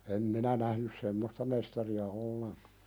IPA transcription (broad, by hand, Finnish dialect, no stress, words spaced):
em minæ næhnys semːostɑ mestɑriɑ olːeŋkɑ̥